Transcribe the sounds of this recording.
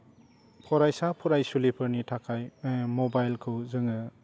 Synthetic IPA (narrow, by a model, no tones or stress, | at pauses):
pʰɔɾajsapʰuɾajsulipʰɯɾnitʰakʰajmɔbajlkʰɯwzɯŋɯ